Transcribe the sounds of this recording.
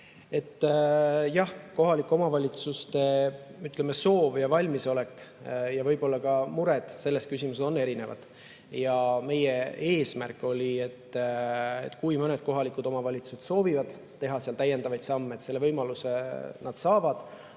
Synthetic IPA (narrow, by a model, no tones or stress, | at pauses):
et̪ːjɑhko̞ɦɑlikːˑo̞mɑvɑlʲit̪sust̪e̞yt̪ːˑlemeso̞ːvjɑvɑlʲmiso̞le̞kjɑvɤjbo̞lːɑkɑmuɾe̞d̪̥se̞lːeskysʲimus̬eso̞nːe̞ɾine̞vɑ̰d̪̥ | jɑme̞jee̞ːsmærkːˑo̞lʲie̞t̪ː | ḛt̪ːˑkujmɤne̞d̪̥̚ko̞ɦɑlikˑud̪̥o̞mɑvɑlʲit̪su̥se̞t̪so̞ːvivɑd̪̥ | t̪ːe̞ɦɑseɑlt̪æjːe̞nd̪̥ɑvɑjd̪sɑmːet̪se̞lːevɤjmɑlusenɑd̪̥sɑːvɑd̪̥